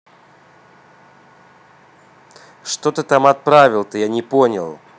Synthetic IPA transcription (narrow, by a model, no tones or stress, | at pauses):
ʂt̪ot̪ɨt̪amɐt̪̚pɾavʲɪlˠt̪ɨjanʲɪponʲɪ̰lˠ